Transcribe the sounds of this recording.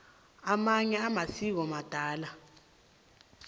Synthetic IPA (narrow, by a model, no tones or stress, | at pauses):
amaɲɛamasik̬ɔmad̥ʱaːla